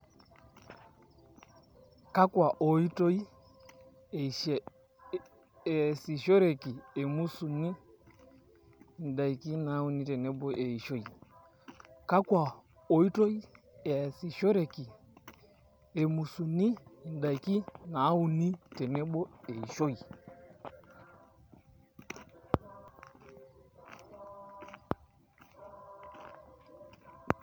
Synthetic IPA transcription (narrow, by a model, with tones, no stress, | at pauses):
ka˦kwa˨ʔɔ˨i˦tɔ˦i˦˨ | si˨ʃɔ˦ɾɛ˨ki˨ɛ˨mu˦su˨ni˦˨ | n̩˨da˨i˨ki˦na˨˦u˨ni˦tɛ˨nɛ˦ɓɔ˦ʔe˨i˨ʃo˦i˨ | ka˦kwa˨ | ɔ˨i˦tɔ˦i˦ | e˨a˨si˨ʃo˦ɾe˨ki˨ | e˨mu˨su˨ni˦˨n˨da˨jki˦na˨˦u˨ni˦te˨ne˦bo˦e˨i˨ʃo˦j